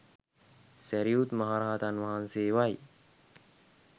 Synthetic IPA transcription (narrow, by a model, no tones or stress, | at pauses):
sæɾiut̪maɦaːɾaɦat̪anʋɐɦanseːʋaj